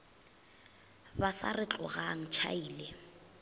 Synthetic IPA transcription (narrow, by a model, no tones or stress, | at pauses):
basa̰rɪt͡ɬʼɔɣaŋ̩t͡ʃʰa̰iːle